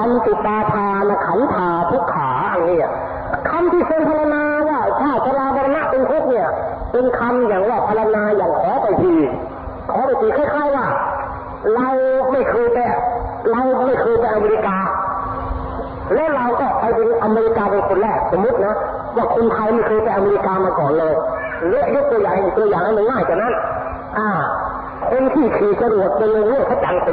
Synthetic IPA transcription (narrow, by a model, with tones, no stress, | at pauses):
a˧mt̪i˨˩t̪̚ːaː˧t̪ʰaː˧na˧kʰa˨˩˦nt̪ʰaː˧˩t̪ʰu˦˥˩kʰːaː˨˩˦ʔa˧˩niː˧˩˨a˨˩ | kʰa˧mt̪ʰiː˥˩so˧npʰa˧la˧naː˧waː˥˩t̪ʰaː˧˩t͡ɕʰa˧laː˧pʰa˧la˧na˦˥ʔpe˧ŋt̪ʰu˦˥k̚ni˥˩ɐ | pe˧nkʰa˧mjaː˨˩ŋwaː˧˩pʰa˧la˧naː˧jaː˨˩ŋkʰɔː˨˦pa˧˩jt̪ʰiː˧˩ | kʰɔː˨˦pa˧˩jt̪ʰiː˧˩kʰaː˧˥˩jkʰaː˥˩jwaː˧˥˩ | ɾa˧wma˥˩jkʰɯː˧p̪ɛː˧ɾa˧wma˥˩jkʰɤː˧jpa˧jʔa˧me˧ɾi˦˥kaː˧ | lɛ˦˥˨ʔɾa˧wkɔː˧˥˩pa˧jpe˧ʔa˧meː˧ɾi˦˥kaː˧pa˧nkʰo˧nlɛː˧˩so˨˧˦mːu˦˥t̪̚nɔ˦˥ | waː˧˥˩kʰo˧nt̪ʰa˧jma˥˩jkʰɤː˧jpa˧jʔa˧me˧ɾi˦˧˥kaː˧maː˧kɔː˨˩nlɤː˧j | lɛ˦˥jo˦˥k̚t̪u˧əjaː˨˩hi˨˧˩t̪u˧əjaː˨˩ŋha˧˩jmo˧ŋːaː˥˩jt͡ɕʰaː˨˩na˦˥n | ʔaː˧˩ | kʰo˧nt̪ʰiː˧˩k̪ʰɯː˨˩sa˧du˨˩ət̪̚pe˧nlo˧ŋlɯ˥˩˨t̪ʰa˦˥k̚ja˨˦ŋ˧